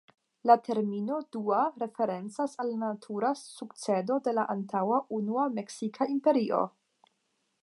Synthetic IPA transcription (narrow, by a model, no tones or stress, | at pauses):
latʰe̞ɾmino̞duaɾe̞fe̞ɾe̞nt͡sasalnatʰuɾasukt͡se̞do̞de̞laʔantʰawaʔunuame̞ksikʰaimpe̞ɾio̞̰